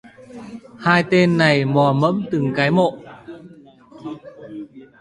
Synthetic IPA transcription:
haː˧jt̪e˧nːa˨˩jmɔ˨˩mə̰˧˥mt̪ɨ˨˩ŋkaː˨˦jmo̰˧˨ʔ

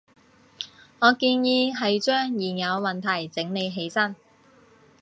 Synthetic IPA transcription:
ŋɔː˨˧kiː˧njiː˨˧ɦɐ˨jt͡ʃœː˥ŋjiː˨˩njɐ˨˧wmɐ˨nt̪ʰɐ˨˩jt͡sɪ˨˥ŋne˨˧jɦe˨˥jsɐ˥n

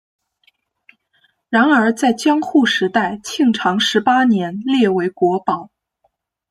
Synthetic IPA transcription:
ɻa˧˥nə˞˧˥t͡sa˥˩ɪt͡ɕjɑ˥ŋxu˥˩ʂɻ̩˧˥t̪a˥˩ɪt͡ɕʰi˥˩ŋʈ͡ʂʰɑ˧˥ŋʂɻ̩˧˥pa˥njɛ˧˥nljɛ˥˩we˧˥ɪkwɔ˧˥pɑ˨˩˦ʊ

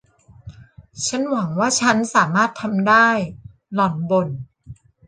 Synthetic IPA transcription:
t͡ɕʰa˦˥nwa˨˩˦ŋwaː˥˩t͡ɕʰa˦˥nsaː˩˦maː˥˩t̪ʰːa˧mdaː˥˩j | lɔ˨˩nbo˧n

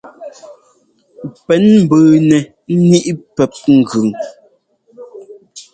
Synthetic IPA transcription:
pɛ˨˦nm̩˨bəː˨nɛ˨˦ | ni˦ʔpɛ˨p̚ŋ̩˨ɡʉ˨ŋ

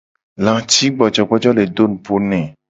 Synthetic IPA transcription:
lã˨t͡ʃi˦ɡ͡bɔ˨d͡ʒɔ˨ɡ͡bɔ˦d͡ʒɔ˦le˨do˦ñ˨pʰo˦nɛ̃˨

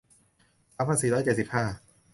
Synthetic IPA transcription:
ʔa˦˥pʰa˧˥siː˨˦d̪aː˦˥˩t͡ɕe˨˩t̪̚si˨˩p̚haː˥˩

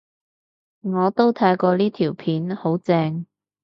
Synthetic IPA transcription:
ŋɔː˨˧t̪o˥wt̪ʰaː˧jkɔː˧liː˥t̪ʰiː˨˩wpʰiː˨˥nho˨˥wt͡sɛː˧ŋ

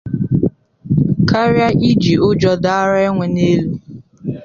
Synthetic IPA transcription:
ka˦ɾja˦ʔi˦d͡ʒi˨ʊ˦d͡ʒɔ˦da˦a˦ɾa˦e˦ŋʷe˨ne˦lu˦

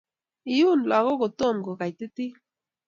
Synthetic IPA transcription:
i˨ju˦˨n˨la˨ɣo˦ko˨to˦˨mko˨ka˨jti˦ti˦

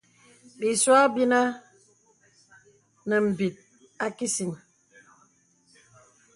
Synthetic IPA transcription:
ɗi˨swa˦bi˦na˦ | nə˨m̩˨bi˨t̚ | a˦ki˦si˨n

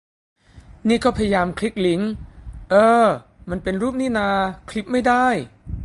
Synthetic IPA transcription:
niː˥˩kʰɔː˥˩pʰa˧ja˧jaː˧mkʰli˦˥k̚li˩˦ŋʔɤː˧ | ma˧npe˧nɾuː˥˩p̚niː˥˩naː˧kʰli˦˥p̚ma˥˩jdaː˥˩j

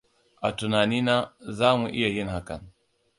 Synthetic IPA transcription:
ʔa˨tu˨na˨ni˦na˦zaː˦mu˨ʔḭ˦ja˨ji˦nha˦ka̰˨n

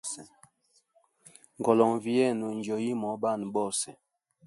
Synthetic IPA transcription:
sɛ˨ | ŋɡɔ˨lɔ˨ŋvi˦ɛ˦˨nu˨n˦d͡ʒo˨ji˦mɔ˨˦ba˦˨nbɔ˦˨sɛ˨

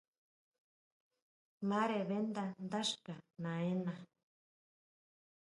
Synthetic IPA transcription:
mã˦ɾe˨βe˦nd̪a˧nd̪a˦ʂka˨nã˨e˦nã˧

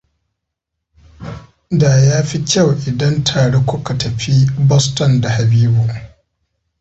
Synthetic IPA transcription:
daː˨jaː˦ɸi˦kʲa˦˨wʔɪ˨dɐ˦ntʰaː˨ɽeː˦kʷʊ˦ka˨tʰɐ˨ɸi˦bɔ˦stɔ˨nda˨ha˨biː˦bu˨

